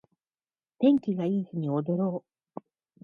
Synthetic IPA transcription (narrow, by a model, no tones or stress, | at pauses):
t̪ẽ̞ŋkʲiɡaiːsɨɲ̟io̞d̪o̞ɾo̞ː